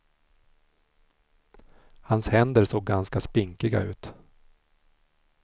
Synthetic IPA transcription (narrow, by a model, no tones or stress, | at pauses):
hanshɛnd̪əɾsoːɡːanskaspɪŋkɪɡa̰ʉ̟ːt̪